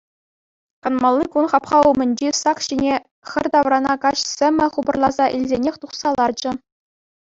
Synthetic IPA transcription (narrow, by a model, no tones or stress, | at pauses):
kɑnmɑlˠːikunχɑpχɑumʲɘ̆nʲd͡ʑisɑkɕinʲe | xʲɘ̆rʲt̪ɑʋrɑnɑkɑɕsʲɘ̆mʲɘ̆χubɤ̆rlˠɑzɑʔilʲzʲenʲexʲt̪uχsɑlˠɑrd͡ʑɘ̆